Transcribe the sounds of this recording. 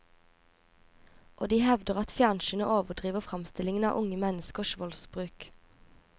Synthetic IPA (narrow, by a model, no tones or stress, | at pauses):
ʔoːd̪iːhɛʋd̪əʁɑt̪fɪjɑnʃənəʔoːʋəʁd̪ʁiːʋəfʁɑmst̪ɪlɪŋənɑ̰ːʔʊŋəmɛnəskəʃʋɔlsbʁʉːk